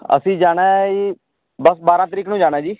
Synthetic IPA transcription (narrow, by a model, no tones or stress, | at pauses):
ə̰sĩːd͡ʒaːɽ̃ɛ̃ːi | bəsbaːɾãːt̪əɾiːkːnũːd͡ʒaːɽ̃ɛːd͡ʒiː